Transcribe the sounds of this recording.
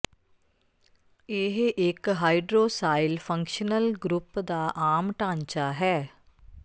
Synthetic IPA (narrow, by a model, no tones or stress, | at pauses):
eɦʔɪkɦaːiɖɾoːsaːɪlfʰə̃ŋkʃənəlɡɾʊpd̪aːʔaːmʈãːɲt͡ʃaːɦɛː